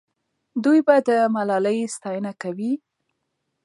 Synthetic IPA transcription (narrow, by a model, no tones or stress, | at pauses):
d̪ujbad̪əmalɑləjst̪ɑjənakawi